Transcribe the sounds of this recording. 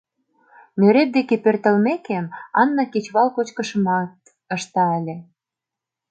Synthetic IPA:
møɾep̚d̪ekepert̪ə̆lmekemɑnːɑket͡ɕβɑlkot͡ɕkə̆ʃəmɑt̪̚ | əʃt̪ɑəlʲe

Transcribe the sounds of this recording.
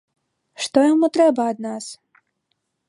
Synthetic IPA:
ʂt̪ɔjamut̪ɾɛbɐːd̪nas

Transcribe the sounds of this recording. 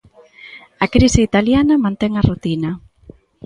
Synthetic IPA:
ɐkɾisɪit̪aljanɐmãnt̪ɛŋɐrut̪inɐ

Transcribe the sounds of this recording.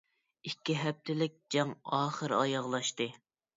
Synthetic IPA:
ikʲːiɦɛp̚t̪ʰɪlɪk̚ʲd͡ʒɑŋɑːχəɾɑjɑʁlˠɑʃt̪ɨ

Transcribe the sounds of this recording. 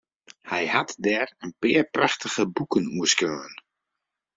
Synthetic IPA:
hɛjhatdɛrənpɪːəɹpraxtəɣəbukənuəskøːən

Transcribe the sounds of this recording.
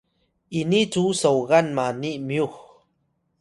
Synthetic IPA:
init͡susəwɣanmanimijux

